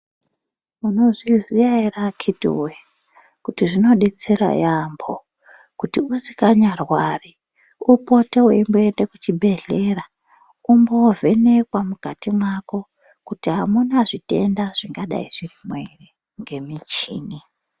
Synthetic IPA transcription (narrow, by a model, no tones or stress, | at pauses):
muno̞ʐiziaerakʰitṵwe | kutiʐino̞ɗet͡seɾa̰jambʰo | kutiusi̥kaɲarwari | upo̞teweimboendekut͡ʃibʱe̞ɮe̞ra | umbo̞vʱe̞ne̞kwamukatimwako̞ | kutiɦamunaʐite̞̰ndaʐ̥iŋɡaɗa̰ḭʐimwere | ŋɡe̞mit͡ʃḭːni